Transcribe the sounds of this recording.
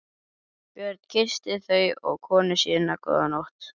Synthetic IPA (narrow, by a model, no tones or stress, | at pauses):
pjœɾt̪̚n̥cʰɪ̥st̪ɪθœɥɔ̰ɣkʰɔːnʏsjɛːnakʰɔ̰ðanowht̪